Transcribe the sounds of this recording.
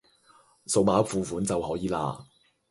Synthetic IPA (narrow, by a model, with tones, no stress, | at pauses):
so˨k̚maː˨˥fuː˨˧fuː˨˥nt͡sɐ˨whɔː˨˥jiː˨la̰ː˧